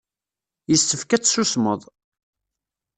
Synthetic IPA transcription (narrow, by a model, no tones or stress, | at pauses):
jəst̪ːəfkæt͡sːsusmə̰ðˤ